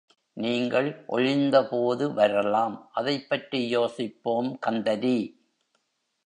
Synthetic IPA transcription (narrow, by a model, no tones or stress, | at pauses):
niːŋɡɐɭʔɔ̰ɻɪnd̪ɐpoːðɯʋɐɾɐlaːmʔɐðɐɪpːɐʈrijoːsɪpːoːmkɐnd̪ɐɾi